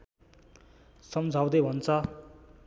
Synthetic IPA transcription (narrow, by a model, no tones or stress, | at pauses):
sʌmd͡zʱaw̃d̪ʌbʱʌnt͡sʌ